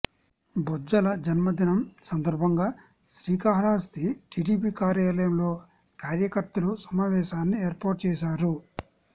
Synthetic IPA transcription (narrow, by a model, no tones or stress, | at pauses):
bɔd͡ʒɐlɐd͡ʒɐnmɐd̪inɐmsɐnd̪ɐɾbʱɐŋɡaː | ʃɾiːkaːɦɾaːst̪iʈiːɖiːpiːkaːɾjaːlɐjɐmlo̞ː | kaːɾjɐkɐɾt̪ɐlusɐmaːʋɛːʃaːnːieːɾpaːʈt͡ʃɛːʃaːɾu